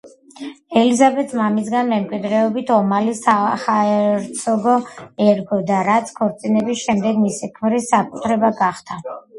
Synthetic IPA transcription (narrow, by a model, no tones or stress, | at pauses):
ɛlizabɛt̪smamis̬ɡanmɛmkʼwid̪ɾɛɔbit̪ʰɔmalisaχaɛɾt̪sʰɔɡɔɛɾɡɔd̪aɾat̪sʰkʰɔɾt̪sʼinɛbisʃɛmd̪ɛɡmisikʰmɾisːakʼut̪ʰɾɛbaɡaχd̪ʰa